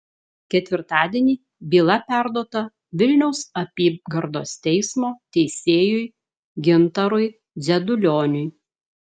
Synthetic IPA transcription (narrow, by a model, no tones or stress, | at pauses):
kʲɛt̪ʲʋʲɪɾt̪ɑːd̪ʲiɛnʲiː | bʲiːlˠɐpʲæˑɾd̪oːt̪ɐ | ʋʲɪlʲnʲɛʊsɐpʲiːbɡɐɾd̪o̰ːst̪ʲɛɪsmoːt̪ʲɛɪsʲeːjʊj | ɡʲɪnt̪ɐɾʊɪ | zʲɛd̪ʊlʲoːnʲʊj